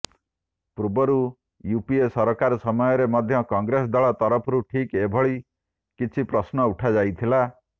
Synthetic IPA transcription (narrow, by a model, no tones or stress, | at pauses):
pɾubɔɾu | jupiesɔɾɔkaɾɔsɔmɔjɔɾemɔd̪ʱjɔkɔŋɡɾes̬ɔd̪ɔɭɔt̪ɔɾɔpʰɔɾuʈʰikebʱɔɭi | kit͡ʃʰipɾɔsnɔuʈʰad͡ʒajt̪ʰila